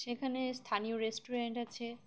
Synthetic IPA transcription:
ʃekʰanest̪ʰanioɾesʈoɾeɳʈat͡ɕʰe

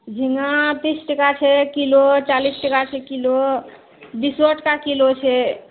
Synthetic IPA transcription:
d͡ʒʱiŋat̪isʈəkat͡ʃʰɛkilot͡ʃalisʈəkat͡ʃʰɛkilo | bisoʈkakilot͡ʃʰɛ

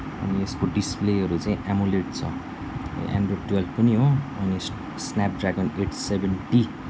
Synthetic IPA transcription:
ʌ̰nieskoɖispleʌɾut͡saĩʔamuleʈ̚t͡sʰʌ̰ | ʔa̰ɳɖroɖwelbpʌniɦoʌni | snap̚ɖraɡʌneʈsebenʈi

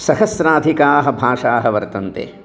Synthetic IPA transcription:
sɐhɐsɾaːd̪ʱikaːɦɐ̆bʱaːʂaːɦɐʋɐɾt̪ɐnt̪ḛː

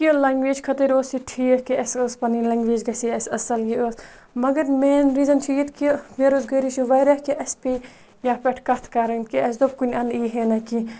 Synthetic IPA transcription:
kilɐŋɡʋeːd͡ʒkʰɐt̪ɐɾoːsiʈʰiːkiɐsospɐnilɐŋɡʋeːd͡ʒɡɐsiɐsɐsɐljioːs | mɐɡɐɾmeːnɾiːzɐnt͡ʃʰujit̪kimeɾoːzɡɐɾiʃuʋɐːɾɐhkiʔɐspiː | jaːpʲɛʈʰkɐt̪ʰkɐɾɐnkiɐsd̪obkunʲɐ̃nd̪iːɦeːnɐki

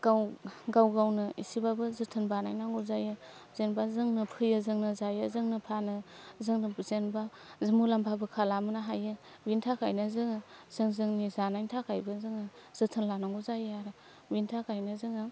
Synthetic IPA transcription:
ɡ̥awɡawɡawnɯḭsibabɯzɯtʰɯnbanajnaŋɡuzajɯ | bzenbazɯŋnɯpʰɯjɯzɯŋnɯzajɯzɯŋnɯpʰanɯzɯŋnɯbzenba | zɯmulampʰabɯkʰalamɯnaɦajɯ | bintʰakʰajnɯzɯŋɯz̥ɯŋzɯŋnizanajntʰakʰajbɯzɯŋɯz̥ɯtʰɯnlanaŋɡuzajɯaɾɯ | bintʰakʰajnɯzɯŋɯ

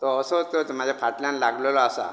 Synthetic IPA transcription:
t̪ɔːsəɦot̪ət̪əmad͡ʑʱjafʰaʈljanlaɡləlɔasa̰

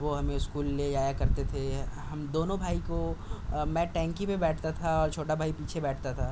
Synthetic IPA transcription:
ʋoɦɐmẽɪskuːlːejaːjakɐɾt̪et̪ʰeɦɐmd̪oːnõbʱaːikomɛ̃ːʈɛ̃ːŋkipebɛːʈʰt̪at̪ʰaɔːɾt͡ʃʰoːʈabʱaːipiːt͡ʃʰebɛːʈʰt̪at̪ʰaː

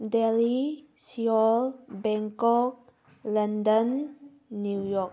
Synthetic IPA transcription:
dɛli | siɔlbɛ̃ŋkɔk̚ | lãndə̃nː | ujɔk

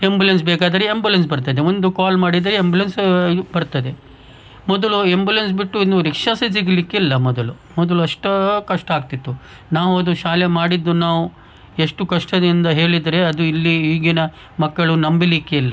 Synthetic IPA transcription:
embulens̬beːkaːd̪ɐɾeembulens̬bɐɾt̪ɐd̪e̞ʋond̪ukaːlmaːɽid̪ɐɾeembulensbɐɾt̪ɐd̪e̞ | mɔd̪ɐɭuembulens̬biʈːuinuɾikʂaːsis̬iɡlikːeilːɐmɔd̪ɐlu | mɔd̪ɐluɐʂʈɐkɐʂʈɐaːɡt̪it̪ːu | naːʋuɐd̪uʃaːlemaːɽid̪ːunaːʋu | eʂʈukɐʂʈɐd̪ind̪ɐɦe̞ːɭid̪ɐɾe̞ɐd̪uilːiiːɡinɐ | mɐkːɐɭunɐmbilikːeilːɐ

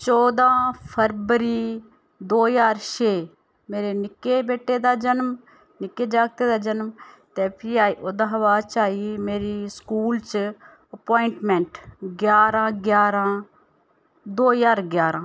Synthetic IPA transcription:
t͡ʃɔːd̪ãːpʰəɾʋəɾiː | d̪oːjaːɾʃeː | meːɾeːnɪkːeːbeːʈːeːd̪aːd͡ʒənm | nɪkːeːd͡ʒaːɡ̚t̪eːd̪aːd͡ʒənmt̪eːpʰiːaːiːʔoːd̪aːɦəʋaːt͡ʃaːimeːɾiːskuːlt͡ʃ | əpoːɪɳʈmɛ̃ɳʈɡjaːɾãːɡjaːɾãː | d̪oːjaːɾɡjaːɾãː

